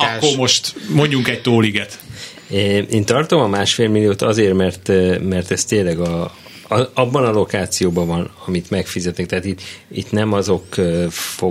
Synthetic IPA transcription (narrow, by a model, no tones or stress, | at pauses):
ɒkːormo̞ʃt̪moɲɟuŋkɛc̚t̪oːliɡɛt̪ː | ʔeːnt̪ɒrt̪o̞mɒmaːʃfeːlmilːijoːt̪ɒzeːrmɛrt̪ːmɛrt̪ɛst̪eːlɛɡɒ | ɒbːɒnɒlo̞kaːt̪sijoːbɒvɒnɒmit̪mɛkfizɛt̪nɛk̚t̪ɛɦaːt̪it̪ḭt̪nɛmɒzo̞kːfo